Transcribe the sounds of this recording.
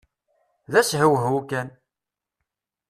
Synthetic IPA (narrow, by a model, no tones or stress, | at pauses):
ðæshəwɦukæn